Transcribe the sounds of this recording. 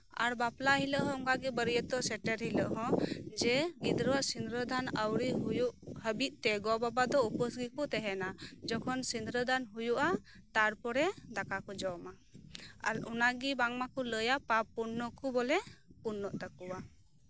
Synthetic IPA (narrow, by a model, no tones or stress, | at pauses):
a̰ɾbaplaɦiləʔɦɔ̃ɔŋkaɡɛbəɾjət̪ɔsɛʈɛɾɦiləʔɦɔ̃d͡ʒɛɡid̪ɾəwaʔsind̪ɾəd̪anəwɾiɦujuʔɦəbiʔ̪̚ˀt̪ɛɡɔbabad̪ɔupəsɡikɔt̪ɛɦɛnad͡ʒɔkʰɔnsind̪ɾəd̪anɦujuʔa | t̪aɾpɔɽɛd̪akakɔd͡ʒɔwma | ɔnaɡibaŋmakɔləjapapːunːɔkɔbɔlɛpunːɔʔt̪akuwa